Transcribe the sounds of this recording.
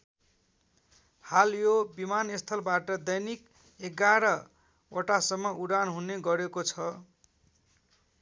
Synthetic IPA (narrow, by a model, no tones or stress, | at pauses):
haljobimanest̪ʰʌlbaʈʌd̪ʌjnik | eɡaɾʌ | oʈasʌmːʌuɽanɦuneɡʌɾekot͡sʰʌ